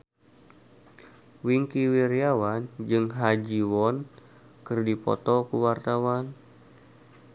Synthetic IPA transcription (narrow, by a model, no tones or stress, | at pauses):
wiŋkiwiɾiawand͡ʒɨŋɦad͡ʒiwɔn | kɨrdipɔ̰t̪ɔkuwart̪awan